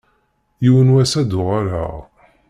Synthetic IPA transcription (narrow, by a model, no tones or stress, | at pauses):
jiwənwæsæd̪ʊʁaɾa̰ʁ